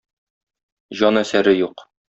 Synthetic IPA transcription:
ʑɒnæsæɾɘjuq

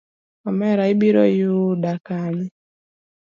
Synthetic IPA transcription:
ɔmɛɾaibiɾɔ̰judakaɲi

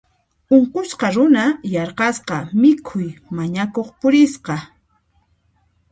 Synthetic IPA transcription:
oɴqʊsqɑɾʊnajɑɾqɑsqɑmɪkʰʊjmaɲakoχpʊɾɪsqɑ

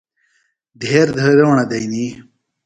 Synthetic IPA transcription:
d̪ʱeːɾd̪ʱəːɾewɐɳɐd̪ɐjni

